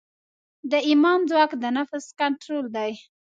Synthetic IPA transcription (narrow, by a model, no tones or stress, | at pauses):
d̪əimɑnd͡zwɑkd̪ənafskaɳʈɾold̪aj